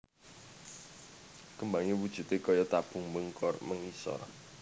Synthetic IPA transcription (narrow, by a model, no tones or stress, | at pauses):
kəmbaŋewud̥ʒ̥ṳt̪ekɔjɔt̪ab̥ʊ̤ŋməŋkɔrməŋisɔ̰